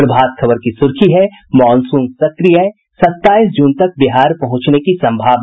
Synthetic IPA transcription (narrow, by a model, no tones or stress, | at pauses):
ɾəbʱaːt̪̚kʰɐbəɾkisʊɾkʰiɦɛ | mɔːnsũːŋɡsɐkɾijaɛ | sɐt̪ːaːisd͡ʒʊnt̪ɐk̚bɪɦaːɾpɐɦʊ̃t͡ʃnekisɐ̃mbʱaːʋ